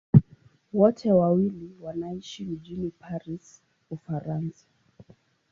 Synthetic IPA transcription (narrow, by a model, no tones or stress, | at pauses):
wɔtʰɛwawiliwanaiʃim̩d͡ʒinipʰaɾis | ufaɾansḁ